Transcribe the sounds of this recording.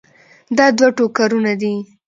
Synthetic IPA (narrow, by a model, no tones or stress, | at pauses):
d̪ɑd̪waʈokaɾunad̪i